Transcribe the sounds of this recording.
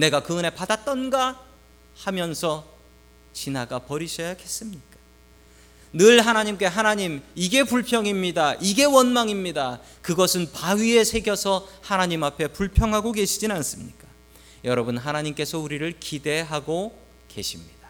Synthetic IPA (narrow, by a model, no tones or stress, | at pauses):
ne̞ɡakɯɯne̞padat͈ʌnɡa | hamjʌnsʰʌ | t͡ɕinaɡapʌɾiɕʰʌjake̞s͈ɯmɲik͈ḁ | nɯɭɦanaɲimk͈e̞ɦanaɲimiɡe̞puɭpʰjʌŋimɲidaʔiɡe̞wʌnmaŋimɲida | kɯɡʌsʰɯnpaɥie̞sʰe̞ɡjʌsʰʌhanaɲimapʰe̞puɭpʰjʌŋɦaɡoke̞ɕʰid͡ʑinans͈ɯmɲik͈ḁ | jʌɾʌbunɦanaɲimk͈e̞sʰʌuɾiɾɯɭkide̞ɦaɡo | ke̞̰ɕʰimɲid̥ḁ